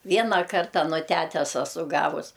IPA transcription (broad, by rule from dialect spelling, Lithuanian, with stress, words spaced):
ˈʋʲiɛnɐ ˈkɐrtɐ nʊ ˈtʲætʲɛs ɐˈsʊ ˈɡɑːʋʊs